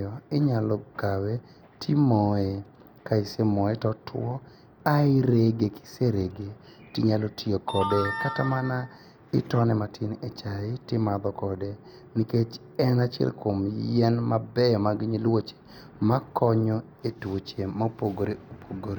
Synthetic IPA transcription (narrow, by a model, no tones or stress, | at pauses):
ɔɪɲalɔɡawe | tʰimɔe | kaɪsemɔetɔtwɔ | aɪɾeɡeki̥seɾeɡetiɲalotʰiokʰɔdɛkatamana | ɪtɔnɛmatʰɪnet͡ʃaɪtɪmad̪ɔkɔde | niket͡ʃ | ɛnat͡ʃɛ̰lkʰomjɛnmabɛjɔmaɡiɲilwot͡ʃe̥ | makɔɲɔ | etwot͡ʃemapoɡoɾeopʰoɡoɾe